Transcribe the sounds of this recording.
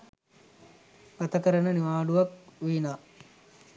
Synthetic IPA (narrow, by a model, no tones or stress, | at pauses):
ɡ̥at̪əkəɾənəniʋaːɖuʋakʋiːnaː